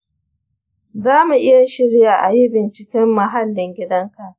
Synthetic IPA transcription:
zaː˦mu˨ʔɪ˦ja˨ʃɪ˦ɾjaː˨ʔa˨ji˦bɪ˨nt͡ʃɪ˨kʲɛ˦mːɐ˨ɦa˦lːɪ˨ŋɡʲɪ˦dɐ˦ŋka˨ʔ

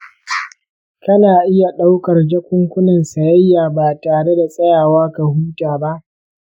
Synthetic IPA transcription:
kɐ˦naː˨ʔɪ˦ja˨ɗa˦wkɐ˨rd͡ʒɐ˦kʷʊ˦ŋkʷʊ˦nɐ˨nsɐ˨jɐ˦jːaː˨baː˨taː˨ɽe˦da˨sʼɐ˦jaː˨waː˦ka˨huː˦taː˨ba˦ʔ

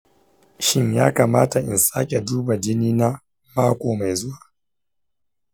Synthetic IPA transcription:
ʃɪ˦ɲjaː˦kaː˨maː˦ta˨ʔɪ̰˨nsaː˦kʲe˨duː˦ba˨d͡ʒɪ˦niː˦na˦ | maː˦kʷoː˨ma˨jzʊ˦waː˨

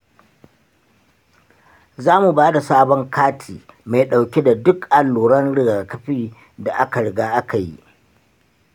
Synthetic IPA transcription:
zaː˦mu˨baː˦da˨saː˦bɔ˦ŋkʰaː˦tʰiː˨ma˨jɗa˨wkʲe˦da˨dʊ˦kʔa˨lːuː˨ɾɐ˦nɽɪ˨ɡaː˨kɐ˦ɸiː˦ | da˨ʔa˦ka˨ɽɪ˨ɡaː˦ʔa˦ka˨jḭ˦ʔ

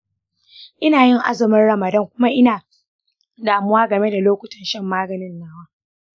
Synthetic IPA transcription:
ʔɪ˦naː˨jɪ˦ŋʔa̰˦zɪ˨mɐ˦rɽɐ˨mɐ˨dɐ˦ŋkʷʊ˦ma˦ʔɪ˦naː˨ | daː˨mʊ˦waː˦ɡɐ˨me˦da˨loː˦kʷʊ˨tɐ˨nʃɐ˦˨mːaː˦ɡɐ˨nɪ˦nːaː˦waː˦

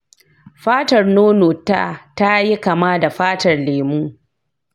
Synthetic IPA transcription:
ɸaː˦tɐ˨rnoː˦noː˨tːa̰˦ta˦ji˦ka˨maː˦da˨ɸaː˦tɐ˨rleː˨muː˦

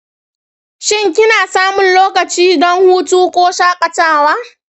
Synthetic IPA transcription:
ʃɪ˦ŋkʲɪ˦naː˨saː˦mʊ˨nloː˦kɐ˨t͡ʃiː˦dɔ˦ŋhuː˦tuː˦kʷʼoː˦ʃaː˦kʼɐ˨taː˦˨waː˦

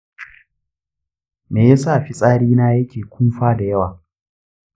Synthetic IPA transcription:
meː˨ja˦saː˦˨ɸi˦sʼaː˦ɽiː˦naː˦jɐ˦kʲʰeː˨kʷʰʊ˦mɸaː˦da˨jɐ˦waː˨

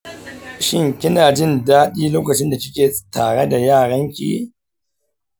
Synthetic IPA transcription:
ʃɪ˦ŋkʲɪ˦naː˨d͡ʒɪ˦˨ndaː˦ɗiː˦loː˦kɐ˨t͡ʃɪ˦nda˨kʲɪ˦kʲeː˨taː˨ɽe˦da˨jaː˦˨ɽɐ˦ŋkʲʼḭː˦

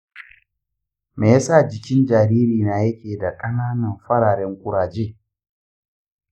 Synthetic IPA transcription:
meː˨ja˦sa˦˨d͡ʒɪ˨kʲɪ˦nd͡ʒaː˨ɾiː˦ɾiː˨na˨jɐ˦kʲeː˨da˨kʼɐ˦naː˦nɐ˨mɸɐ˦ɽaː˨ɽɛ˦ŋkʷʼʊ˦ɽaː˨d͡ʒeː˦

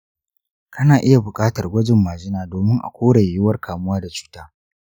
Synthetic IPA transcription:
kɐ˦naː˨ʔɪ˦ja˨bʊ˨kʼaː˦tɐ˨rɡʷɐ˦d͡ʒɪ˨mːaː˨d͡ʒɪ˦naː˨doː˨mɪ˦ŋʔa̰˨kʷoː˦ɽɐ˨jːʊ˦wɐ˦rkʰaː˨mʊ˦waː˦da˨t͡ʃu̥ː˦taː˦

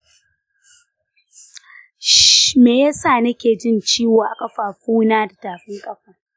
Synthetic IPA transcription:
ʃmeː˨jaː˦saː˦˨nɐ˦kʲeː˨d͡ʒɪ˦˨nt͡ʃiː˦wa˨ʔa˨kʼɐ˦ɸaː˨ɸuː˦naː˦da˨taː˨ɸɪ˦ŋkʼɐ˦ɸaː˨

